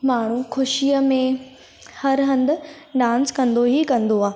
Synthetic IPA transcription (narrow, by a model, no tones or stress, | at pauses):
maːɳ̤ukʰʊʃijəmẽ | hɐɾɦɐ̃nd̪ʊ̆ | ɖãːnskɐ̃nd̪oɦikɐ̃nd̪oaː